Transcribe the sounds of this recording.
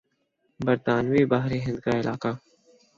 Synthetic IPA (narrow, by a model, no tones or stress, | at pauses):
bəɾt̪aːnʋiːbaːɦɾeːɦɪ̃nd̪̚kaːɪlʔaːkaː